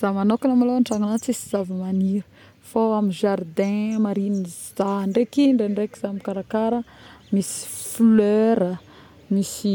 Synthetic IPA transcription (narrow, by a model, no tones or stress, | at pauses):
z̥amanokinamaloaɳʈ͡ʂaŋunat͡sisizavimaniɾə̥ | foaminʒard̪ɛ̃maɾini | z̥aɳɖ͡ʐekiɳɖ͡ʐeɳɖ͡ʐekiz̥amikaɾakaɾə | misi̥fløɾə | misi